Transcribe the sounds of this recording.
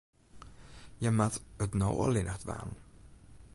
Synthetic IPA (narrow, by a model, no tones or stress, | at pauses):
jəmatətnɔwə̰lɪnəχtʋa̰ːn